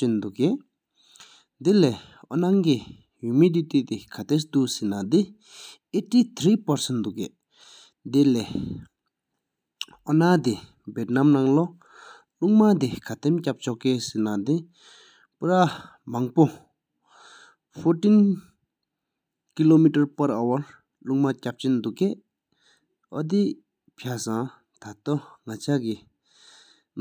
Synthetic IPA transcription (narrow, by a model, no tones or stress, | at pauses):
ind̪uʔɡeʔ | d̪ile | ɔnaŋki | jymid̪it̪iʔt̪ikʰat̪esd̪uʔsinad̪i | etit̪ʰɾiːpaɹsɛnd̪uʔkeʔ | d̪ile | ʔɔnad̪i | bet̚namnaŋlo | luŋmat̪ikʰat̪emcap̚t͡ɕɔʔkesenad̪i | puɾa | maŋpo | pʰotin | kilomiʈ͡ʂaɹpaɾawaɹ | luŋmacap̚t͡ɕend̪uʔɡeʔ | ɔd̪i | pʰasa | t̪ʰat̪ɔŋat͡ɕʰaki | n